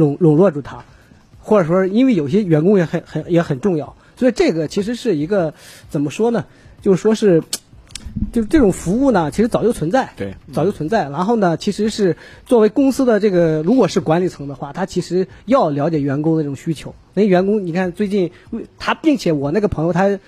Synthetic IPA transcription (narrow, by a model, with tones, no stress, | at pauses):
ɻʊ˨˩ŋɻʊ˨˩ŋlwɔ˥˧ʈ͡ʂu˥˩t̪ʰa˥ | xwɔ˥˩ʈ͡ʂə˨˩ʂwɔ˥ʂ̩˥˧i˥nwe˥˩ɪjo˨˩ʊ˩ɕjɛ˥ɥɛ˧˥nkʊ˥ŋjɛ˧˥xə˨˩nxə˨˩jɛ˧˥xə˨˩nʈ͡ʂʊ˥˧ŋjɑ˥˩ʊswɔ˧˥i˨˧˥ʈ͡ʂɤ˥˩ɡə˩t͡ɕʰi˧˥ʂ̬ɻ̩˧˥ʂɻ̩˥˩i˧˥ɡə˧t͡sə˨˩nmə˦ʂwɔ˥nə˨ | t͡ɕjo˥˧ʊʂ̩˥˩ʂwɔ˥ʂɻ̩˥˩ | t͡ɕjo˥˧ʂʈ͡ʂɤ˥˩ʈ͡ʂʊ˨˩ŋfu˧˥u˥˩nə˩t͡ɕʰi˧˥ʂɻ̩˧˥t͡sɑ˨˩jo˥˩ʊt͡sʰə˧˥nt͡sa˥˩ɪ˥˧˩t͡sɑ˨˩ʊjo˥˩ʊt͡sʰə˧˥nt͡sa˥˩ɪɻa˧˥nxo˥˩ʊnə˩t͡ɕʰi˧˥ʂɻ̩˧˥ʂɻ̩˥˧t͡swɔ˥˩we˧˥ɪkʊ˥ŋsɹ̩˥d̪ə˨ʈ͡ʂɤ˥˩ɡə˩ɻu˧˥kwɔ˨˩ʂɻ̩˥˩kwa˧˥nli˨˩t͡sʰɤ˧˥ŋd̪ə˧xwa˥˩t̪ʰa˥t͡ɕʰi˧˥ʂɻ̩˧˥jɑ˥˩ʊljɑ˧˥ʊt͡ɕjɛ˨˩ɥɛ˧˥nkʊ˥ŋd̪ə˧ʈ͡ʂʊ˨˩˧ɕy˥t͡ɕʰjo˧˥ʊna˧˩ə˧ɥɛ˧˥nkʊ˥ŋni˨˩kʰa˥˩nt͡swe˥˧ɪt͡ɕi˥˩n˥˩t̪ʰa˥pi˥˩ŋt͡ɕʰjɛ˧˥wɔ˨˩na˥˩ɡə˩pʰɤ˧˥ŋjo˧ʊt̪ʰa˥